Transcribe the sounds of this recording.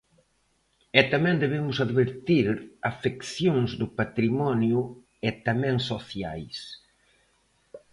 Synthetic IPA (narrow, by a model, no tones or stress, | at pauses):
ɛt̪amɛ̃nd̪eβemʊsaðβeɾt̪iɾafekθjõŋzd̪ʊpat̪ɾimɔnjʊ | ɛt̪amɛ̃ŋsoθja̰js